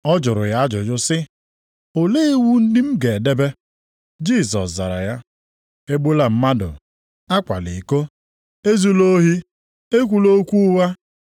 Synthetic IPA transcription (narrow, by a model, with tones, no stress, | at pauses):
ɔ˦d͡ʒʊ˨ɾʊ̰˨ja˦a˦d͡ʒʊ˨d͡ʒʊ˦sɪ˦ | o˨le˦wu˦n̩˦dɪ˦m̩˦ɡe˨de˦be˦ | d͡ʒi˦˨s̬ɔ̰˨sza˨ɾa̰˨ja˦ | e˦ɡ͡bu˦la˦m̩˦ma˦dʊ̰˨ | a˦kʷa̰˨li˨ko˦ | e˦zu˦lo˦ɦi˦ | e˦kʷu˨lo˦kʷu˦wa˦